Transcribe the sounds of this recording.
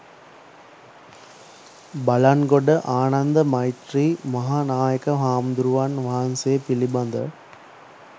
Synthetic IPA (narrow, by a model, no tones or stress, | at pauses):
bɐlanɡoɖɐʔaːnɐnd̪ɐmɐjʈɾiːmɐɦaːnaːjɐkɐʋaːmd̪uɾuʋanʋaːnseːpilibɐnd̪ɐ